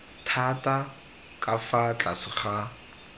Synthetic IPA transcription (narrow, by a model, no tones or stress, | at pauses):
tʰatʼa | kʼafat͡ɬʼasɪχa